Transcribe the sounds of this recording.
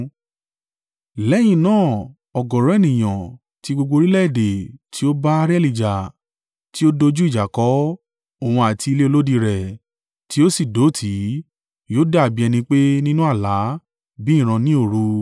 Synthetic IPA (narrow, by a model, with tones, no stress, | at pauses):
lɛ˨˦j̃ĩ˧˨nãː˦˨ | ɔ˨ɡɔ˨ɾɔ̃˦ɛ˦˨nĩ˨j̃ã̰˨ | ti˧ɡ͡bo˧ɡ͡bo˧ɾi˦lɛ˦i˦˨de˨tʰi˨˦o˦ba˦ɾɛ˦˨li˨d͡ʒa˨ | ti˦o˦do˧d͡ʒu˦i˦˨d͡ʒa˨kɔ˨˦ | o˨w̃ũ˧a˨ti˧le˦o˧lo˦di˧ɾɛ˨ | ti˨˦o˦si˦˨do˨˦tʰi˨˦ | jo˦da˦˨bi˨˦ɛ˧nĩ˧k͡pe˦nĩ˦nũ˦a˦˨la˨˦ | bĩ˦˨ɾ̃ã˧nĩ˦o˦˨ɾu˧